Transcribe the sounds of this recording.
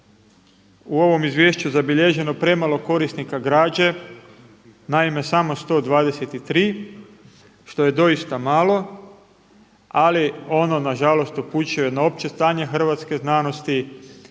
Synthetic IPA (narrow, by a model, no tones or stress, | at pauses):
uo̞ʋo̞mizʋje̞ːʃt͡ɕuzabiʎe̞ʒe̞no̞pɾe̞malo̞ko̞ɾisnikaɡɾaːd͡ʑe | naime̞samo̞st̪o̞ːd̪ʋaːd̪e̞set̪it̪ɾiː | ʃt̪o̞je̞d̪o̞ist̪amaːlˠo̞ | alio̞no̞naʒalo̞st̪opuːt͡ɕiojed̪nao̞p̚t͡ɕest̪aːɲe̞xr̩ʋat̪ske̞znaːno̞st̪i